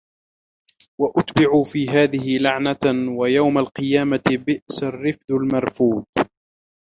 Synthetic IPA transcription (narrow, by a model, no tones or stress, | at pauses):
waʔʊt̪bɪʕuːfiːɦaːðɪhɪlaʕnawajawmalqɨjaːmabɪʔsarːɪfd̪almɑɾˤfuːd̪̚